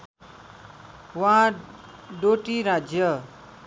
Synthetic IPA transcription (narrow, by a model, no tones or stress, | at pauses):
wã | ɖoʈiɾad͡zjʌ